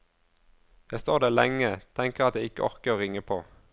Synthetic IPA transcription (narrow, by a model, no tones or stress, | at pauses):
jæɪst̪oːʁd̪æːʁlɛŋːət̪ʰɛŋkəʁɑt̪jæɪɪkəʔɔʁkəʁoːʁɪŋəpʰoː